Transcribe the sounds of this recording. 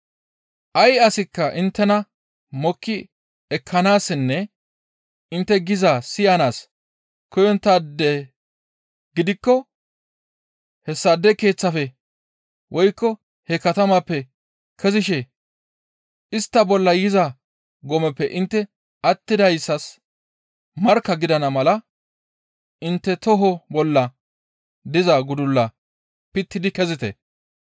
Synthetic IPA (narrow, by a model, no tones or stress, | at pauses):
ʔɐjɐsɪkːɐʔɪnt̪ːɛnɐ | mɔkːɪ | ɛkʰːɐnaːsːɪnːɛ | ɪnt̪ːɛɡɪzaːsɪjɐnaːs | kɔjɔnt̪ːaːd̪ɛ | ɡ̥ɪd̪ɪkːɔ | hɛsːɐd̪ːɛke̞ːt͡sːɐfɛ | wʔɔjkːɔ | hɛkɐt̪ɐmɐpːɛ | kʰɛzɪʃɛ | ɪst̪ːɐbɔlːɐjɪza | ɡɔmɛpːɛʔɪnt̪ːɛ | ɐt̪ːɪd̪ɐjsːɐs | mɐɾkːɐɡɪd̪ɐnɐmɐlɐ | ɪnt̪ːɛt̪ɔɦɔbɔlːɐ | d̪ɪzɐɡʊd̪ʊlːɐ | pɪt̪ːɪd̪ɪkɛzɪt̪ɛ̰